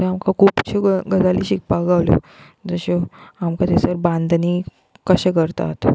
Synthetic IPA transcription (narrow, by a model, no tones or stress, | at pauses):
t̪eamkakʰupt͡ɕʰeɡəd͡zalḭɕik̚paɡaʋlo̰ | d͡zəɕoamkat̪esəɾbãnd̪niː | kəɕekəɾt̪a̰t̪